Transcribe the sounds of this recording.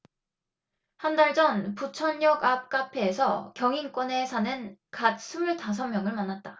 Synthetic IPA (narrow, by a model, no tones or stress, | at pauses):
handaɭd͡ʑʌnput͡ɕʰʌɲjʌɡap̚k͈apʰe̞ːsʰʌkjʌŋink͈wʌne̞sʰanɯnkat̚s͈ʰumuɭtas̬ʰʌŋmjʌŋɯɭmanːat̚t͈ḁ